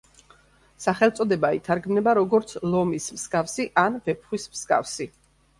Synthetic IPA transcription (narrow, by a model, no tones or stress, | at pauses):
saχɛlˠt̪sʼɔd̪ɛbaḭt̪ʰaɾɡmnɛbaɾɔɡɔɾt̪sʰlˠɔmismsɡʼafsiʔanvɛpʰχwismsɡʼa̰fsi